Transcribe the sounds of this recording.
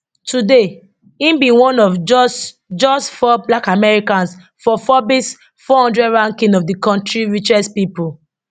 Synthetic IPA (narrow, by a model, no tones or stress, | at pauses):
tude | ĩmbĩwɔ̃nɔfd͡ʒ | d͡ʒɔsfɔblakamɛɹikãns | fɔfɔbis | fɔhɔ̃ndɹɛdɹãŋkĩnɔvdikɔ̃ntɹiɹit͡ʃɛspipul